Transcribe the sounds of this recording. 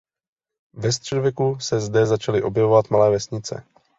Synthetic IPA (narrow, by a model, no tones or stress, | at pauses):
vɛs̬t̪r̥ɛdovjɛkusɛzdɛzat͡ʃalɪʔo̞bjɛvovat̪malɛːvɛsɲɪt͡sɛ̰